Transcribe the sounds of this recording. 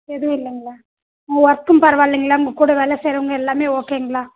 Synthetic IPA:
ɛðɯʋɪlːɐŋɡɐɭaː | ʊŋɡɐʋɔɾɐk̪ːɯmpɐɾɐʋaːɭːiŋɡɐɭaːʊŋɡɐkːuːɽɐʋeːlɐseːɾɐʋɐŋɡɐɛlːaːmeːoːkeːŋɡɐɭaː

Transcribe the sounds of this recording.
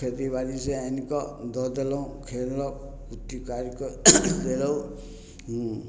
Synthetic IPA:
ed̪ibaɾiseanikɔd̪ɔd̪elɔwkʰelɔk | kut̪ːikaɾikɔd̪elɔw

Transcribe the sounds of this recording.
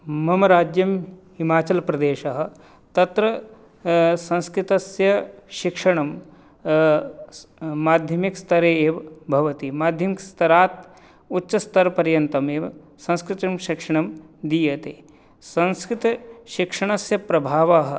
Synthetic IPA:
mɐmɐɾaːd͡ʒjɐmhimaːt͡ʃɐlpɾɐd̪eːʃɐɦɐ̆ | t̪ɐt̪ɾɐ | sɐ̃nskɾɪt̪ɐsjɐʃikʂɐɳɐm | maːd̪ʱjɐmikst̪ʰɐɾeːeːʋbʱɐʋɐt̪imaːd̪ʱjɐmikst̪ʰɐɾaːt̪̚ | utːʃɐst̪ɐɾpɐɾjɐnt̪ɐmeːʋ | sɐ̃nskɾɪt̪ɐmʃikʂɐɳ̃ɐmd̪ijɐt̪eː | sɐ̃nskɾɪt̪ʃikʂɐɳ̃ɐsjɐpɾɐbʱaːʋaɦɐ̆

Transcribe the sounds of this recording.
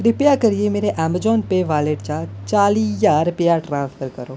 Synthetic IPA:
ɾɪpjakəɾiemeːɾeʔɛməd͡ʒɔːnpeʋaːleʈt͡ʃat͡ʃaːlijaːɾpjaʈɾãːnsfʰəɾkəɾoː

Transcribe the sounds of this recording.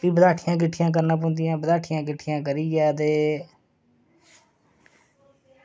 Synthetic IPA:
piːbəd̪aːʈʰɪjãːk̬ɪʈʰːɪjãːk̬əɾnaːp̬õːnd̪ɪjãːbəd̪aːʈʰɪjãːkɪʈʰɪjãːk̬əɾiːɡɛːt̪eː

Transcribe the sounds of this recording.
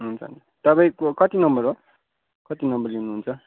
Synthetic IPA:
ɦunt͡sʰʌ̰n | t̪ʌpaĩkʌt̪inʌmbʌɾɦo | kʌt̪inʌmbʌɾiunːuɦunt͡sʰʌ

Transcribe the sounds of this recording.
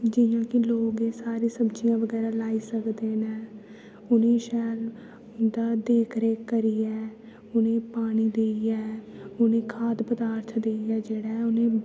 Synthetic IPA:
d͡ʒɪjãːkɪloːɡeːsaːɾiːsəbd͡ʒijãːʋəɡɛːɾaːlaːiːsəkd̪eːnɛ̃ː | ʊnẽːʃɛːl | d̪aːd̪eːkʰɾeːkəɾiːɛː | ʊnẽːpaːɽ̃iːd̪eːiɛːʊnẽːkʰaːd̪pəd̪aːɾt̪ʰd̪eːiɛːd͡ʒeːɽaːʊnẽː

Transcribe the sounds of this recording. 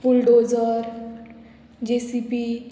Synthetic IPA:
pulɖod͡zəɾ | d͡ʑesipi

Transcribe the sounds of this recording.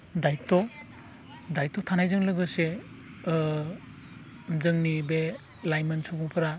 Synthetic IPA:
dajtɔ | dajtɔtʰanajzɯŋlɯɡɯse | mzɯŋnibe | lajmɯnsobuŋpʰɯɾa

